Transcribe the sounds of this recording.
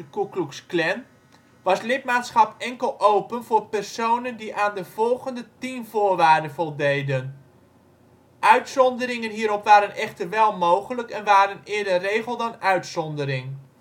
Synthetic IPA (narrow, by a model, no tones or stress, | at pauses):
əkukluksklɛn | ʋɑslɪt̚maːtsχɑpɛŋkəlˠʔowpənvʊːɹpɛrsownəndiʔaːndəv̥ɔlˠɣəndətimvʊːɹʋaːɹdənvɔlˠdejdən | ʔœɥtsɔndəɾɪŋənɦiːɾɔpʋaːɾənʔɛχtəʋɛlˠmowχələkɛnʋaːɾənɪːədərejɣəlˠdɑnœɥtsɔndəɾɪŋ